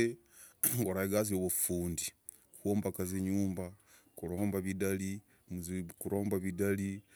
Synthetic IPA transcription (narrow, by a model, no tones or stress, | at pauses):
e | ɡoɾaiɡazioβufuːndi | koːmbakazeɲuːmba | kuɾoːmbaβidali | mzkuɾo̞ːmbaβidali